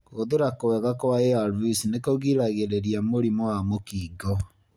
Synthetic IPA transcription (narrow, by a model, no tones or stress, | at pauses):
koðeɾakowɛɣakoaeaɾvisnekoɣiɾaɣeɾeɾiamoɾimɔwamokiɡɔ